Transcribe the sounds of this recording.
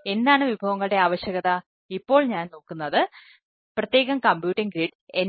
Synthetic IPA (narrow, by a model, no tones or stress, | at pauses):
e̞nd̪aːɳɨʋibʱɐʋɐŋːɐɭɨɽe̞aːʋɐɕjɐɣɐt̪ɐ | ipːo̞ːɭɲaːnno̞ːkːunːɐðɨ | prɐt̪je̞ːɣɐmkɐmbjuːʈːiŋɡɾiːɖ | en